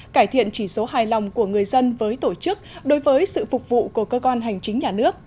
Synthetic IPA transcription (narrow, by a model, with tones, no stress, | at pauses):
kaː˧˩jt̪ʰḭ˧˨ənt͡ɕi˧˩so˨˦ɦaː˨˩jla˨˩wŋ͡mku˧˩əŋɨ˨˩əjzə˧nvəː˨˦jt̪o˧˩t͡ɕɨ˦˥k̚ɗo˨˦jvəː˨˦jsɨ̰˧˨fʊ˨˩k͡p̚vṵ˧˨ku˧˩əkəː˧kwa˧nɦa˨˩jŋ̟t͡ɕï˨˦ŋ̟ɲaː˨˩nɨ˦˥ək̚